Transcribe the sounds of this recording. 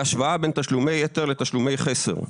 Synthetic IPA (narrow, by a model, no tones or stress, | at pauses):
aʃvaabent̪aʃlumejet̪eʁlet̪aʃlume̞jχesḛʁ